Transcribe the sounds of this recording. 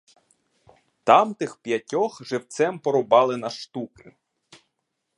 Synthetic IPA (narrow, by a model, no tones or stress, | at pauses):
t̪ɑmt̪ɪxpjɐtʲɔxʒɪwt̪sɛmpɔɾɔbɑlˠɪnɐʃt̪ukɪ